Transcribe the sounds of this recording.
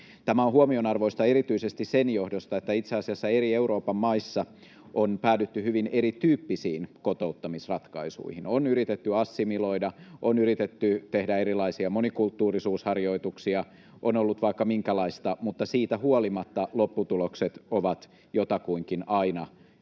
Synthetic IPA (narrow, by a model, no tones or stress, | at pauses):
t̪æmæonhuomionɑrʋoist̪ɑeɾit̪yisest̪issenjohdost̪ɑet̪ːæit̪seɑsiɑsːɑeɾieuɾo̞ːpɑmːɑisːɑ | ʔonpæːdyt̪ːyhyʋineɾit̪yːpːisiːnkot̪out̪ːɑmisrɑt̪kɑisṵihinonyɾit̪et̪ːyɑsːimiloidɑʔonyɾit̪et̪ːyt̪ehdæeɾilɑisiɑmonikult̪ːuːrisuːshɑrjoit̪uksiɑ | ʔonolːut̪ʋɑikːɑmiŋkælɑist̪ɑmut̪ːɑsiːt̪æhuolimɑt̪ːɑlopːut̪ulokset̪oʋɑt̪ | jot̪ɑkuiŋkinɑinɑ